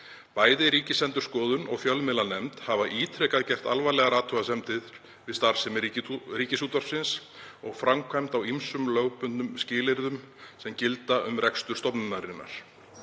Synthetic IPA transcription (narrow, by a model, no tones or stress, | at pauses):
paːjðɪɾiːcɪsɛnt̪ʏɾ̥skɔːðʏnɔɣfjœlmɪlanɛmt̪havaʔiːt̪ʰɾɛkaðcɛr̥t̪alvalɛɣaɾaːt̪ʰuɣasɛmt̪ʰɪð | vɪðst̪aɾ̥sɛmriːcɪsuːt̪aɾ̥sɪnsɔɣfɾamkʰvajmt̪awimsʏmlœːɣpʏnʏmscɪːlɪɾðʏm | sɛmcɪlt̪aʔʏmrɛkst̪ʏɾst̪ɔpnʏnaɾɪnːa̰ɾ̥